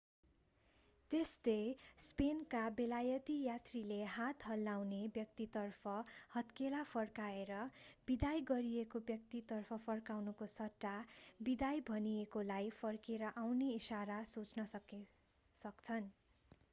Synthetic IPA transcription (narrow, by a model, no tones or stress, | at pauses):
t̪estespenkabelajʌt̪ijat̪rileɦat̪ɦʌlːawnebjʌkt̪it̪ʌrpʰʌhʌt̪kelapʰʌrkaeɾʌb̥id̪ajɡʌɾijekobjʌk̚t̪it̪ʌrpʰʌpʰʌrkawnukosʌʈːabid̪ajbʱʌniekolajpʰʌrkeɾʌʔawneisaɾasut͡snʌk | sʌkt͡sʰʌn